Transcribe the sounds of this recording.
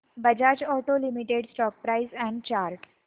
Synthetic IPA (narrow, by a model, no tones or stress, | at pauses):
bəd͡ʑad͡ʑɔʈolimiʈeɽsʈɔk̚pɾaizɛ̃ɳɖ̚t͡ɕaɾʈ